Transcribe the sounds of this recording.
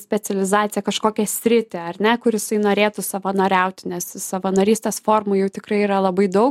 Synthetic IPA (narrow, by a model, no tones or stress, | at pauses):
sʲpʲɛt͡s̪ʲɛlʲɪzɑːt̪sʲɪjɛkɐʃkoːkʲɛsʲɾʲɪt̪ʲeɐrʲnʲɛkʊɾjɪsɐɪnoːɾʲeːt̪ʊsɐʋɐnoːɾʲɛʊt̪ʲnʲɛssɐʋɐnɐːɾʲiːsʲt̪ʲeːsfoːrmʊjɛʊt̪ʲɪkɾɐɪiːɾɐlˠɐbɐɪd̪ɐʊk